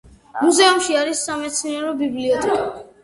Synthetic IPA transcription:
muzɛumʃiaɾisːamɛt̪sʰniaɾɔbibliɔt̪ʰʼɛkʼa

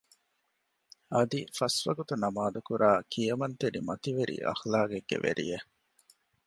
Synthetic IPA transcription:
ɐd̪ifɐsʋɐɡut̪unɐmaːd̪ukuɾaːkʰijɐmɐnt̪eɾimɐt̪iʋeɾḭʔɐ̰xlaːɡeɡːḛʋḛɾḭje

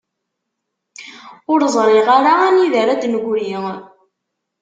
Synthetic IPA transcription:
ʊɾzˤɾˤiʁaɾaæniðəɾæd̪nɡʷɾiŋ

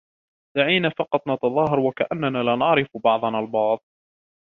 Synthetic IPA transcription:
d̪̥aʕiːnaːfɑqɑt̪ˤnɑt̪ɑðˤɑːɦɑɾˤwakaʔanːanaːlaːnɑʕɾɪfbɑʕd̪ˤɑnaːlbɑʕðˤ

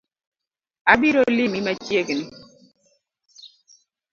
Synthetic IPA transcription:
abiɾolimimat͡ʃjekni

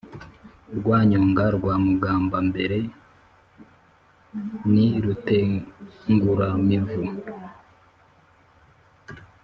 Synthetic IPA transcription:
ɾɡwaːɲoːŋɡaɾɡwaːmuɡaːmbambe̞ɾe̞ | niɾuteŋɡuɾamivu

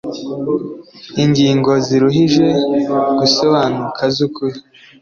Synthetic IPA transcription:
iɲɡiːŋɡo̞ziɾuɦiʒe̞ɡ̥usoβaːnukʰazukuɾi

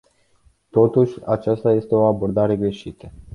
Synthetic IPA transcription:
t̪o̞t̪uʃʲat͡ʃast̪aje̞st̪e̞o̞abo̞rd̪aɾe̞ɡɾe̞ʃit̪ə

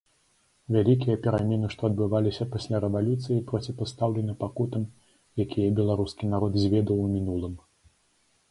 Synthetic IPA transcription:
vʲalʲikʲijɐpʲɛɾamʲɛnɨʂt̪ɔɐd̪̚bɨvalʲisʲɐpasʲlʲaɾɛvalʲut̪sɨjipɾɔt͡sʲipast̪awlʲɛnɨpakut̪ɐm | jakʲijɐbʲɛlˠaɾuskʲinaɾɔd̪zʲvʲɛd̪ɐwmʲinulˠɨm

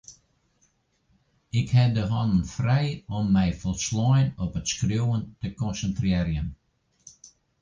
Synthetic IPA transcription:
ɪkhɛdəɦɔndənfrɛjɔmːɛjfɔlˠslɔjnɔpətskrjuwəntəkɔnsəntriːəɾjən

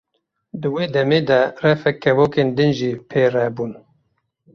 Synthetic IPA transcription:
d̪ɨweːd̪ɛmeːd̪ɛrɛfɛkːɛvoːkeːnd̪ɨnʒiːpʰeːrɛbuːn

